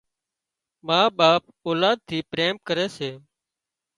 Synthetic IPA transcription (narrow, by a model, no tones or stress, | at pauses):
mãːɓaːp̚ | oːlaːd̪̚t̪ʰiːpɾeːmkəɾeːseː